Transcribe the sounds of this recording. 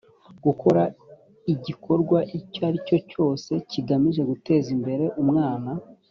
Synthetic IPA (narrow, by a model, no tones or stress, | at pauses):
ɡ̥uko̞ɾa | iɟikʰo̞ɾɡwaʔicoaɾico̞co̞ːse̞ciɡamiʒe̞ɡute̞ːzimbe̞ɾe̞ʔumŋaːna